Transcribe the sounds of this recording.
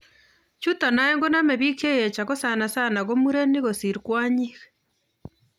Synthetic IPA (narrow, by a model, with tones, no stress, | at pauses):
t͡ʃu˦ta˨na˦eŋɡo˦na˦me˨βi˦ke˦je˨t͡ʃa˨ɣo˦sa˨na˨sa˦na˨ɣo˦mu˦ɾe˦ni˦ɣo˨si˨ɾikwa˦ɲiɣe̥